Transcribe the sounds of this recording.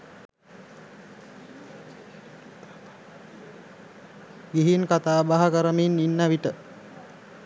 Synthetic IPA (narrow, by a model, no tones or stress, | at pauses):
ɡiɦinkat̪aːbaɦakəɾəminːinːaʋiʈə